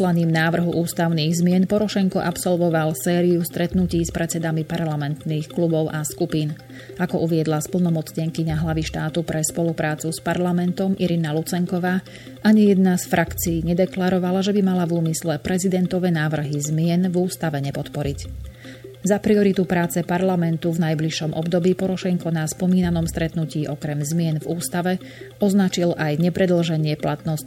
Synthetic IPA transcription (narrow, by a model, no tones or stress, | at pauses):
laniːmnaːʋr̩ɦuʔuːst̪aʊniːɣzmɪɛnpɔɾɔʃɛŋkɔʔapsɔlʋɔʋalsɛːɾiust̪ɾɛt̪nuciːspɾɛt͡sɛd̪amipaɾlamɛnt̪nixklubɔʊʔaskupiːn | akɔʔuʋɪɛd̪laspl̩nɔmɔt͡sɲɪɛŋkiɲaɦlaʋiʃt̪aːt̪upɾɛspɔlupɾaːt͡suspaɾlamɛnt̪ɔmiɾinalut͡sɛŋkɔʋaː | ʔaɲijɛd̪nasfɾʔakt͡siːɲɛd̪ɛklaɾɔʋalaʒɛbimalavuːmislɛpɾɛzid̪ɛnt̪ɔʋɛnaːʋr̩ɦizmɪɛnvuːst̪aʋɛɲɛpɔt̪pɔɾic | zapɾiɔɾit̪upɾaːt͡sɛpaɾlamɛnt̪uvnajbliʃɔmʔɔ̰bd̪ɔbiːpɔɾɔʃɛŋkɔnaspɔmiːnanɔmst̪ɾɛt̪nuciːʔɔkɾɛmzmɪɛnvuːst̪aʋɛ | ɔznat͡ʃilʔajɲɛpɾɛd̪l̩ʒɛɲɪɛplat̪nɔsc